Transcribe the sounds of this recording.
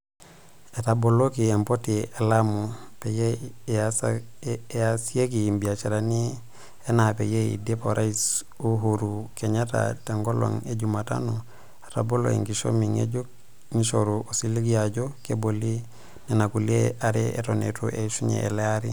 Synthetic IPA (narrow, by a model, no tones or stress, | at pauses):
etabolokiempotielamopejeas | jasiekimbiat͡ʃeɾani | enapḛjeḭdepoɾais | uɦuɾukeɲata̰teŋɡolo̰ŋeɟumata̰no | e̥ta̰bolo̰ḭŋɡiʃo̰miŋḛɟuk̚ | ŋiʃoɾuosiliɡijaɟokeboli | nenakulieaɾeḛtonḛtuʔeʃuɲḛḛleaɾi